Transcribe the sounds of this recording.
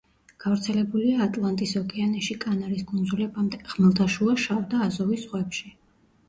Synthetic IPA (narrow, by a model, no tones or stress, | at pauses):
ɡ̥avɾt̪sʰɛlɛbuliaːt̪ʼlˠant̪ʼisɔkʼɛanɛʃikʼanaɾiskʼund̪zulɛbamd̪ɛʁ̥mɛlˠd̪ʰaʃuaʃavd̪aːzɔvisʁwɛpʃi